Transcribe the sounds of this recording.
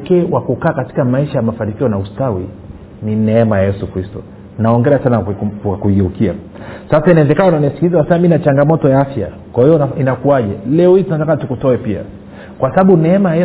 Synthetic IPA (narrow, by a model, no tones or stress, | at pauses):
kɛːwakukaːkati̥kamaiʃajamafanikiɔnaustawi | ninɛɛmajajɛsukɾistɔ̰ | naɔŋɡɛasanawakuɡɛukia̰ | sasainaɛzɛkanaunanisi̥kizaasaminat͡ʃaŋɡamɔtɔjaafja | kwahijɔinakuaʄɛlɛɔhitunatakatukutɔɛpia̰ | kwasaɓaɓunɛɛmajajɛ